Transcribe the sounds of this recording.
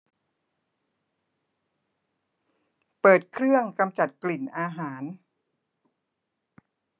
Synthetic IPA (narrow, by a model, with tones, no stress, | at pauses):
pɤː˨˩t̪̚kʰɾɯ˥˩əŋka˧mt͡ɕa˨˩t̪̚kli˨˩nʔaː˧ɦaː˩˦n